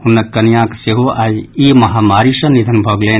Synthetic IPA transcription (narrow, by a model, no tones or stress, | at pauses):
hunːɐkɐnjãːkseɦoʔaːjiːmɐɦaːmaːɾiʃɐnid̪ʱɐnbʱɐɡleː